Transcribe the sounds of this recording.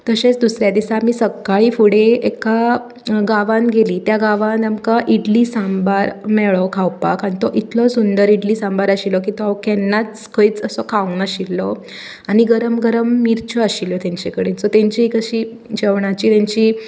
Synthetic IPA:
t̪əɕẽt͡sd̪usɾjad̪isamiːsəkːaɭiːfuɽeeka | ɡaʋãnɡʱeliːt̪jaɡaʋãnamkaʔiɖlisãmbaɾmɛɭɔkʰawpa̰kaɽ̃it̪ɔʔit̪lɔsund̪əɾiɖliːsãmbaɾəɕilɔk̬it̪ɔaʋkɛnːat͡s | kʰəiːt͡səsɔkʰaʋnəɕilːɔ | aɽiɡəɾəmɡəɾəmːiɾt͡ɕɔaɕiljɔt̪jaɲt͡ɕɛkəɽet͡sɔt̪ẽɲt͡ɕikəɕiː | d͡ʑeʋɳat͡ɕiːt̪ẽɲt͡ɕiː

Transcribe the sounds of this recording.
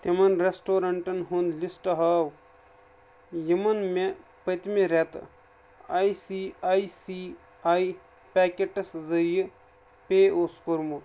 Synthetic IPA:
t̪emɐnɾesʈoːɾɐɳʈɐnɦund̪lisʈɐɦaːw | jimɐnmepɐt̪meɾet̪ | aːjsiaːjsi | aːi | pʲeːkeʈɐszɐjɨ | peːoskoɾmut̪

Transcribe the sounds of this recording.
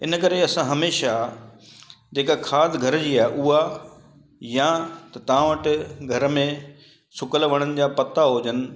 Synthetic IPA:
ɪnə̆kɐɾeɐsãɦɐmeːʃa | d͡ʑeːkakʰaːd̪ɡʱɐɾd͡ʑiːaːɦɪʔuɦa | jãt̪ɐt̪ɐʋãʋəʈɪɡʱɐɾmẽ | sʊkəlʋəɽ̃ənɪ̆d͡ʑaːpɐt̪aɦoːd͡ʑənɪ̆

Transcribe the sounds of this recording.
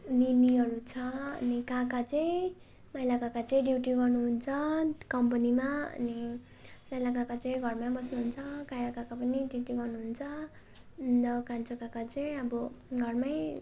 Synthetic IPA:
niniʌɾut͡sʰʌʌ̰nikakat͡sʌj̃ | majlakakat͡sʌĩɖiuʈiɡʌrnuɦunt͡sʰʌkʌmpʌnimaʌ̰ni | majlakakat͡sʌĩɡʱʌrmajbʌsnuɦunt͡sʰʌkajkakakapʌniɖiuʈiɡʌrnuɦunt͡sʰʌ | d̪ʌkant͡sʰʌkakat͡sʌĩʌbʌɡʱʌrmaj

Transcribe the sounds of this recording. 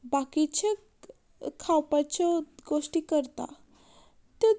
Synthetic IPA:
bakit͡ɕʰəkʰː | awpat͡ɕoɡosʈikəɾt̪a̰ | t̪jo

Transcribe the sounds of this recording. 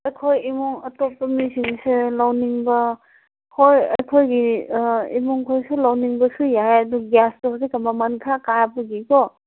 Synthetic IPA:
ɐjkʰojimɔŋɐtopːɐmisiŋselawniŋbɐ | hojɐjkʰojɡi | imɔŋkʰojsulawniŋbɐsujajɐduɡjastɔɦsikambamankʰakajapaɡikɔ

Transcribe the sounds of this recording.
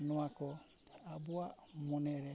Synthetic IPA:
nuakɔ | abuamunɛɾɛ

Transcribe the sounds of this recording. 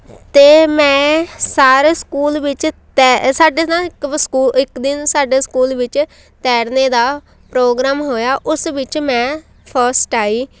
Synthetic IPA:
t̪eːmɛ̃ːsaːɾeːskuːlʋɪt͡ʃt̪ɛsaːɖeːnãɪkskuːɪkd̪ɪnsaːɖeːskuːlʋɪt͡ʃ | t̪ɛːɽneːd̪aː | pɾoːɡɾaːmɦoːjaːʔʊsʋɪt͡ʃmɛ̃ː | pʰəɾsʈaːiː

